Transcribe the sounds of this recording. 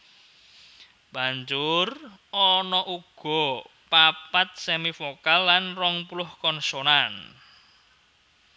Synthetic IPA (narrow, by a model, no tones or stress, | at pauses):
b̥a̤ɲd͡ʒʊrɔnɔʔuɡ̥ɔ̤ | papat̪̚sɛmifokalːanrɔŋpulʊhkɔnsonan